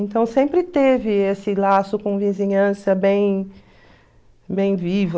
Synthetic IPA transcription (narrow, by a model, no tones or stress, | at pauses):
ẽnt̪ɐ̃w̃sẽmpɾɪt̪evɪesɪlasʊkõvizĩɲɐ̃sɐbẽj̃ | bẽj̃vivʊ